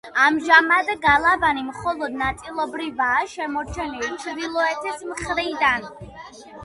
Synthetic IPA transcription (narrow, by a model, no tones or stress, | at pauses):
amʒamad̪ɛɡalˠavanimχɔlˠɔd̪̚nat̪sʼilˠɔbɾivaːʃɛmɔɾt͡ʃʰɛnilit͡ʃʰɾd̪ilˠɔɛt̪ʰɛsmχɾid̪an